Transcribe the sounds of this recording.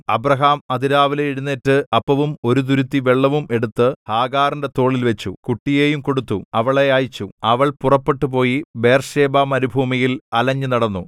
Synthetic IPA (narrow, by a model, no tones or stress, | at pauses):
ɐbrɐɦaːmɐd̪iɾaːʋileiɽunːeːtːɨɐpːɐʋumo̞ɾud̪̬uɾut̪ːiʋeɭːɐʋume̞ɽut̪ːɨhaːɡaːrinde̞t̪o̞ːɭilʋet͡ɕːṵkuʈːije̞ːjumko̞ɽut̪ːuɐʋɐɭeaːjit͡ɕːuɐʋɐɭpurɐpːe̞ʈːup̬o̞ːjibe̞ːrʂe̞ːbamɐɾubʱuːmijilɐlɐɲːɨnɐɽɐnːu